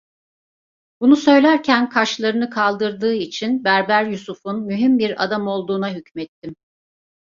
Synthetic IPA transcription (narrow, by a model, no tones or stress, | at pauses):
bunusø̞jlʲæɾcʰænkʰaʃlˠaɾɯnɯkʰalˠd̪ɯɾd̪ɯːit͡ʃʰinbæɾbæɾjusufunmyɦimbiɾa̰d̪amo̞lˠd̪uːnaɦycmɛt̪ʰːim